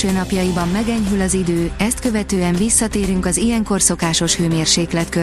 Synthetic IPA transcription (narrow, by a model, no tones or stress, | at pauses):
øːnɒpjɒjibɒmːɛɡɛɲɦylɒzid̪øːɛst̪kø̞vɛt̪øːɛɱvisːɒt̪eːɾyŋkɒzijɛŋko̞rso̞kaːʃo̞ʃhøːmeːrʃeːklɛt̪kø